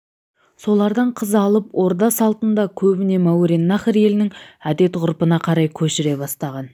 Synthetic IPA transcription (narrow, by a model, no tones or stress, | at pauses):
so̞lˠɑɾd̪ɑɴqʰəzɑlˠəpwo̞ɾd̪ɑsɑlˠt̪ənd̪ɑkʲʰɵbɪne̞mawɾinːɑχəɾe̞lɪnɪŋæd̪e̞t̪qʊɾpənɑqʰɑɾɑjkʲʰɵʃɪɾe̞bɑst̪ɑʁɑn